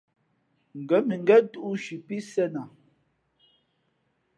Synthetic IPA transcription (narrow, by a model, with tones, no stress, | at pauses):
ŋ̩˨ɡɛ˨˦mi˨ŋ˦ɡɛ˦tu˦ʔu˦ʃi˨pi˦sɛ˦na˨